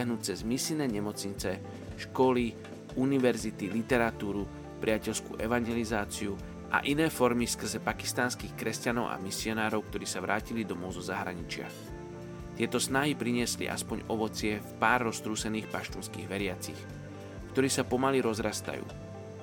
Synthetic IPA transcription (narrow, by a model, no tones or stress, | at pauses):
aɦnut͡sɛzmisilnɛːɲɛmɔt͡sɲit͡sɛ | ʃkɔli | uniʋɛɾzit̪ilit̪ɛɾat̪uːɾu | pɾɪacɛʎskṵːʔɛʋaɲɛlizaːt͡siu | ʔa̰ʔinɛːfɔɾmifskr̩zɛpaki̥st̪aːnskiːxkɾɛscanɔʊʔa̰misiɔnaːɾɔʊkt̪ɔɾiːsaʋɾʔaːcilid̪ɔmɔʊzɔzaɦɾa̰ɲit͡ʃɪa̰x | t̪ɪɛt̪ɔsnaɦipɾiɲɪɛslḭʔa̰spɔɲɔʋɔt͡sɪɛfpaːɾːɔst̪ɾuːsɛniːxpaʃt̪uːnskiːɣʋɛɾɪat͡six | kt̪ɔɾiːsapɔmaliɾɔzɾast̪a̰jṵː